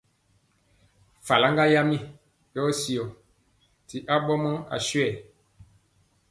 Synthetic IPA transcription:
fa˨la˦ŋɡa˦ja˦mi˦ | jɔ˦si˨o˨ | ti˨ʔa˦ɓɔ˦mɔ˦a̰˨sɥɛ˦˨

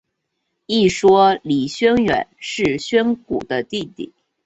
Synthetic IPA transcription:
i˥˩ʂwɔ˥li˨˩ɕɥɛ˥nɥɛ̰˨˩˦nʂɻ̩˥˩ɕɥɛ˥nku˨˩d̪ə˦t̪i˥˧t̪ḭ˥˩

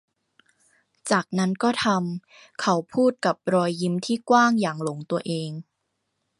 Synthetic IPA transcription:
t͡ɕaː˨˩k̚na˦˥nkɔː˥˩t̪ʰa˧m | kʰa˦˥wpʰuː˥˩t̪̚ka˨˩p̚ɾɔː˧jːi˦˥mt̪ʰiː˥˩kwaː˥˩ŋjaː˨˩ŋlo˩˦ŋt̪u˧ɐʔeː˧ŋ

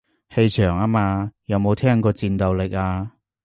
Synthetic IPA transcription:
he˧jt͡ʃʰœː˨˩ŋaː˥maː˧jɐ˨˧wmo˨˧wt̪ʰɛː˥ŋkɔː˧t͡siː˧nt̪ɐ˨wlɪ˨k̚aː˧

